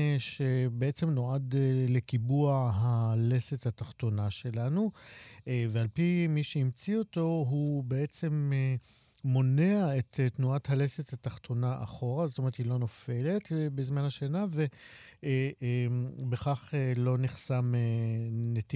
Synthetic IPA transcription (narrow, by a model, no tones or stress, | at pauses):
ʃe̞beet͡semno̞adlekibuaɦalesethataχt̪o̞naʃe̞lanu | vealpimiʃeimt͡sio̞to̞ɦubeet͡se̞meː | o̞ne̞aettnuathalesethataχtʰo̞naʔa̰χo̞ʁazotome̞ʁethilo̞no̞fe̞le̞tbezmanhaʃanave̞ | beχaχelo̞niχsamenet